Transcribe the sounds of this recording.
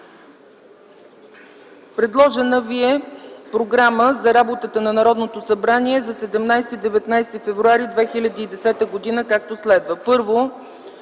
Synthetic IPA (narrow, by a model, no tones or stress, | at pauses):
pɾɛd̪lˠɔʒɛnəviɛpɾoɡɾaməzɐɾabot̪ət̪ənɐnɐɾɔd̪not̪osɐbɾaniɛzɐsɛd̪ɛmnajst̪id̪ɛvɛt̪najst̪ifɛvɾuaɾid̪vɛxilʲɐd̪iːd̪ɛsɛt̪əɡod̪inəkak̚t̪oslɛd̪vəpɤɾvo